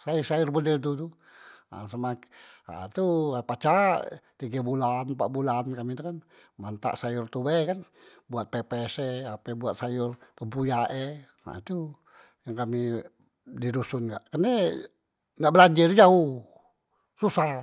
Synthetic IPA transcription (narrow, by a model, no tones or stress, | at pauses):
sasajʊrbədɛlt̪̬ut̪u | a̰samaa̰t̪uapat͡ʃaʔt̪iɡabulanpa̰ʔbulankamit̪akan | mant̪a̰ʔsajʊrt̪ubekan | buat̪̚pɛpɛseapebuat̪̚sajʊrt̪əmpujaʔe | a̰it̪u | jaŋkami | didusunɡaʔkəne | naʔbəlaɲd͡ʒird͡ʒauh | susa